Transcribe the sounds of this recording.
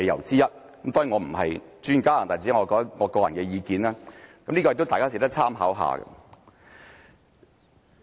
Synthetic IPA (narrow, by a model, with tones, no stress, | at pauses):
e˨˧jɐ̰˨˩wt͡siː˥jɐ˥t̚ | kɐ˨˦mt̪ɔː˥jŋɔː˨˧m̩˨˩ɦɐ˨jt͡ʃyː˥nkaː˥laː˨˩nt̪aː˨˩t͡si˨˥˦ŋɔː˨˧kɔː˧t̪ɐ˥ŋɔː˨˧kɔː˧jɐ˨˩nkɛː˧jiː˨˧kiː˨naː˥kɐ˨˦mniː˥kɔ˧jk̚t̪wt̪aː˨kaː˥se˧˩t̪ɐ˥k̚t͡sʰaː˥mɦa̰ː˨˥wɦa̰ː˨˧ɡɐ̰˧